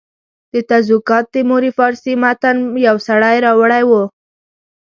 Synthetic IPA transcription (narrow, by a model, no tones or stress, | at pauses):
d̪̥ət̪azwukɑt̪̚d̪əmoɾifɑɾsimat̪anjawsaɽajɾɑwaɽajwo